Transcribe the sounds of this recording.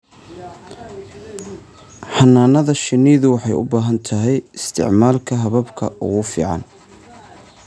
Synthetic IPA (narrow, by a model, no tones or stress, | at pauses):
ħɐnːaːnɐðɐʃɪniːðʊwɑħɑjʊ̰baːɦɐnt̪ʰɐɦɛjɪst̪ʰɪ̰ʕmaːlkʰɐɦɐβɐbkʰɐ̰ʔʊ̰ɣʊfḭːʕɑ̰n